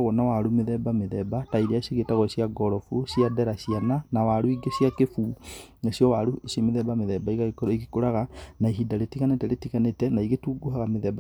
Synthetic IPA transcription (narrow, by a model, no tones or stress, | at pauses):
ɣɔnawaɾumeðɛbameðɛbataiɾeasiɣetaɣɔsiaɡɔɾɔfuɕjaðɛɾaɕijananawaɾuiɡeɕjakefuesjɔwaɾuesemeðɛbameðɛbaiɣaɣekɔɾiɣikoɾaɣanaiɦidaɾetiɣanetɛɾetiɣanetɛnaiɣetuːɡohaɣameðɛba